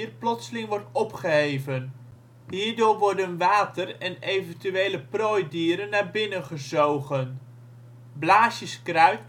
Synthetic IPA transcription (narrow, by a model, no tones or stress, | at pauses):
rplɔtsəlɪŋʋɔɹtɔpχəɦejvən | ɦiːɹdʊːɹʋɔɹdənʋaːtərɛnejvəntyʋejləproːjdiːɾənːaːɹbɪnənχəzowχən | blaːʃəskrœɥt